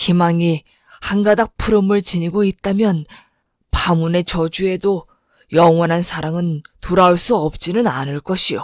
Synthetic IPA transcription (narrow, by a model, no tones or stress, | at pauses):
kimaŋi | hanɡadak̚pʰuɾɯmɯɭt͡ɕiɲiɡoit̚t͈amjʌn | pamune̞t͡ɕʌd͡ʑue̞do | jʌŋwʌnɦansʰaɾaŋɯntoɾaoɭs͈uʌp̚t͡ɕ͈inɯnanɯɭk͈ʌɕʰijo